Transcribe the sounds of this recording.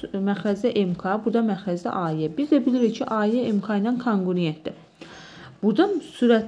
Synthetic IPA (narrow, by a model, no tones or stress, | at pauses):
mæxɾæzæʔemkʰɑbud̪ɑmæxɾæzæ̰ʔɑːiebizd̪æbiliɾicʰiʔɑːieemkʰɑinɑnkʰoŋɡuɾent̪̚d̪i | b̥ud̪ɑnsuɾæt̪